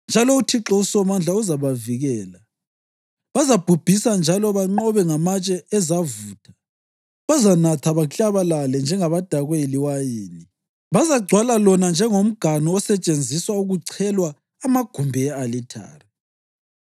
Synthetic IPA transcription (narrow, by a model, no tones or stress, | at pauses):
nd͡ʒʱalɔutʰiǁɔuswɔmand͡ɮʱauzaβaviɣɛːla | βazab̥ʱub̥ʱisand͡ʒʱalɔβaŋ͡ǃɔβɛŋamat͡ʃʼɛɛzavuːtʰḁ | βazanatʰaβaɬʼaβalalɛnd͡ʒʱɛŋaβad̥ʱaɣweliwajiːni | βazaɡ͡ǀʱwalalɔnand͡ʒʱɛŋom̩ɡ̥ʱanɔɔsɛt͡ʃʼend͡zʱiswauɣuǀʰɛlwaː | maɡ̥ʱumbʱɛɛalitʰa̰ːri